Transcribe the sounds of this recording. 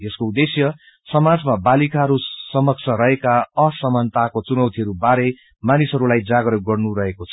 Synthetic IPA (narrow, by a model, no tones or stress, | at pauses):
eskoud̪esjʌ | sʌmad͡zmabalikaɦʌɾusʌmʌk̚t͡sʰʌɾʌɦekaʌsʌmant̪akot͡sunʌwt̪ʰiɦʌɾubaɾe | manisʌɾulajd͡zaɡɾʌɡʌrnuɾʌɦekot͡sʰʌ